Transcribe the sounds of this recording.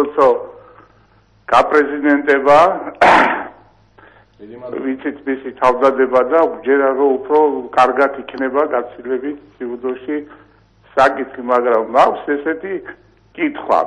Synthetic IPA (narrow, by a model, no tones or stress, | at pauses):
ɔt̪sʰɔ | ɡ̥apʼɾɛzid̪ɛnt̪ʼɛba | vit̪sʰit̪ʰmisit̪ʰavd̪ad̪ɛbad̪ad͡ʒɛɾaɾɔupʰɾɔkʼaɾɡat̪ʰikʰnɛbaɡat̪sʰilɛbit̪ʰsiud̪ɔʃi | sakʼit̪ʰχimaɡɾamːakʷʰsɛsɛt̪ʰi | kʼit̪ʰχwa̰